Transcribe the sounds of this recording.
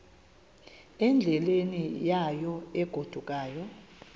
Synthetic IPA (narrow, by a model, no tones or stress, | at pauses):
ɛnd͡ɮʱɛlenijajɔɛɡ̥ʱod̥ʱuk̬ʼaːjɔ